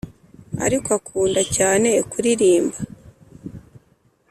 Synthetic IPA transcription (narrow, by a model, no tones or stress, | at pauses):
a̰ɾikwakʰuːndacaːne̞kuɾiɾiːmba